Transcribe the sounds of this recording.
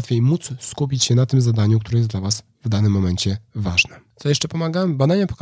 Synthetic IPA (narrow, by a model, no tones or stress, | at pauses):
t̪fʲejmut̪sskupʲit͡ɕɕɛnat̪ɘmzad̪aɲuk̚t̪uɾɛjɛsd̪lavas | vd̪anɘmːɔmɛɲt͡ɕɛvaʐnɛsɔjɛʂt͡ʂɛpɔmaɡabad̪aɲapɔ̥k